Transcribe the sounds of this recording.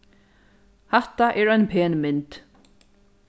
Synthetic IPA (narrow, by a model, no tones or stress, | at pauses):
hɛht̪aʔɛɹœjnpʰeːnmɪnt̪